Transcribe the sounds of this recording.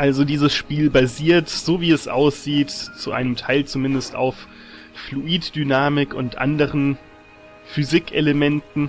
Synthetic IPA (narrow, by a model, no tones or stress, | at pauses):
ʔalzodiːzəsʃpiːlbaziːɐtz̥oːviːɛsʔa̰ʊsz̥iːtt͡suʔa̰ɪnəmtʰaɪlt͡sumɪndəsta̰ʊf | fluʔiːtd̥ynaːmɪkʊntʔa̰ndəʁən | fyzɪkʔeləmɛntn̩